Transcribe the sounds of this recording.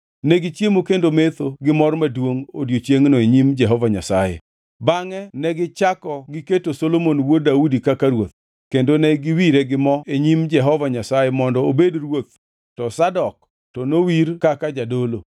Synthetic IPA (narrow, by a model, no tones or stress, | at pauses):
nɛɡɪt͡ʃjemokendomet̪oɡɪmɔrmadwoŋo̰djot͡ʃjeŋnoeɲimd͡ʒɛɦɔvaɲa̰sajɛ̰ | baŋɛnɛɡɪt͡ʃakɔɡɪketosolomonwodaudikakaɾwot̪̚ | kendonɛɡɪwiɾeɡɪmɔeɲimd͡ʒɛɦɔvaɲasajɛmɔndɔobedrwot̪ | tɔsadɔk̚ | tɔnowiɾkakad͡ʒadolo